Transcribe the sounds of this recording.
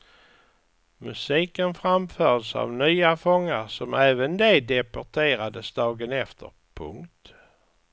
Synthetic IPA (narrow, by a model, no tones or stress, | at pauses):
mɵsiːkənfɾamfœːd̪sa̰vnyːafɔŋːaɾsɔmɛːvənd̪ed̪ɛpɔʈʰeːɾad̪əsd̪ɑːɡənɛft̪ʰə̰ɾpʰɵ̰ŋkt̪